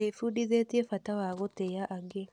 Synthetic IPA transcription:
efudiðet̪iefatawaɣotejaʔaɡe

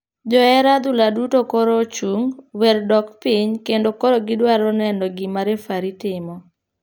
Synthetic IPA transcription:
d͡ʒɔɛɾad̪ʊladutokoɾot͡ʃuŋwɛrdɔkpiɲkendokoɾoɡɪdwaɾɔnɛndɔɡimaɾefaɾitɪmɔ

